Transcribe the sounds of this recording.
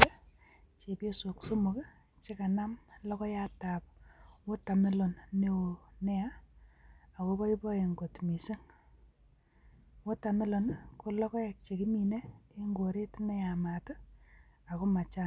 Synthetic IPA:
t͡ʃe˨pje˦so˨kso˦mu˨k | t͡ʃe˦ka˨na˦mlɔ˦kɔ˦ja˦ta˨pwo˦ta˨me˦lo˨nːe˦wo˨nɛ˦a˦ | a˨ko˦kɔ˦i˦pɔ˦e˨ŋɡo˨tmi˨se˦ŋ | wo˦ta˨mɪ˦lo˨nko˦lɔ˦kɔ˦ɛ˨k̚t͡ʃe˨ki˦mi˨ne˦e˦ŋɡo˨ɾe˦tne˦ja˨ma˨tə˦ | a˨ko˦ma˨t͡ʃa˦n

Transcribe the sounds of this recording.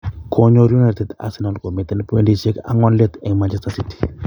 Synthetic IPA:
kʰo˦ɲo˦ɾju˦na˨ɾti˨t̪a̰˨si˨nɔ˨lko˨mi˨t̪e˦npe˦ndi˦se˦ka̰˨ŋɔ˦nle˦t̪ɛ˨ŋma˨nt͡ʃɛ˦stasi˦ti̥˨

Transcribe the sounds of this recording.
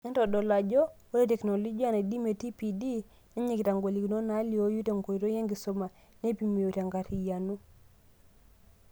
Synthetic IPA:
e˦ntɔ˨dɔ˨la˨d͡ʒo˦wo˦ɾe˦te˨kno˨lo˦d͡ʒi˦a˦˨ne˨di˦me˨ti˦pi˨di˦ | ne˦ɲe˦˨ɡi˨ta˨ŋɡo˨li˨ki˨no˦na˨˦li˦o˦ju˦te˨ŋko˨i˨to˦je˦ŋɡi˨so˨ma˨ | ne˦pi˨mi˨o˨ta˨ŋɡa˨ti˨ja˨nu˦

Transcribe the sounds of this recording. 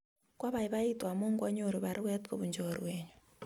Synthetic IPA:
kwa˦βa˨iβa˦i˦twa˨moː˦ŋɡwa˦ɲo˨ɾi˨βa˨ɾi˦ɣwɛ˦tko˦βu˨ɲd͡ʒoɾweːɲu

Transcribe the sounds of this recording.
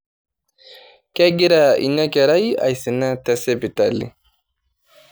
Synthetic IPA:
ke˦ɡi˦ɾa˨ḭ˨nːa˦ke˨ɾa˦ja̰˨jsi˨na˦t̪ɛ˨se˦pi˨t̪a˦lːḭ˨

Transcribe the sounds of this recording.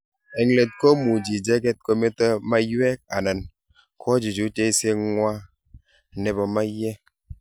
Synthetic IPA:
e˨ŋle˨t̚ko˦mu˨d͡ʒi˨d͡ʒe˦ke˦t̚ko˦me˦tə˦ma˦jɛ˦k̚a˨nə˨n | kʰɔ˦d͡ʒi˨d͡ʒu˨˦te˦i˦se˦ŋwa˦˨ | ne˨bɔ˨ma˦jɛ˦

